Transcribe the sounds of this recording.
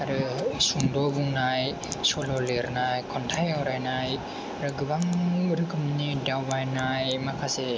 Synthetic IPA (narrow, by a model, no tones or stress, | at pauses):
aɾɯsuŋdɔbuŋnaj | sɔlɔleɾnajkʰɔntʰajawɾajnaj | aɾɯɡɯbaŋɾɯkʰɯmnidawbajnajmakʰase